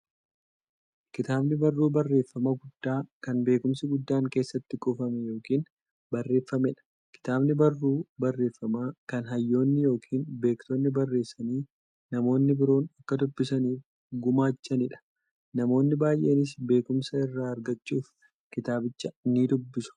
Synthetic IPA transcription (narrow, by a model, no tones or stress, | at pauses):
kɪt̪aːbnɪbɐrːuːbɐrːe̞ːfːɐmɐɡʊd̪̥ːaːkɐnbe̞ːkʊmsɪɡʊd̪ːaːŋke̞ːsːɐt̪ːɪkʼɔfɐmɛjo̞ːkiːn | bɐrːe̞ːfːɐmɛᶑɐ̥ | kɪ̥t̪aːbnɪbɐrːuːbɐrːe̞ːfːɐmaːkɐnɦɐjːo̞ːnːɪjo̞ːkʰiːnbe̞ːkt̪oːnːɪbɐrːe̞ːsːɐniː | nɐmo̞ːnːɪbɪɾo̞ːnɐkːɐd̪ʊbːɪsɐniːf | ɡʊmaːt͡ʃːɐnɪᶑɐ̥ | nɐmo̞ːnːɪbaːjʔe̞̰ːnɪs̬be̞ːkʊmsɐɪrːaːɐɾɡɐt͡ʃːuːf | kɪt̪aːbɪt͡ʃːɐniːd̪ʊbːɪsʊ̥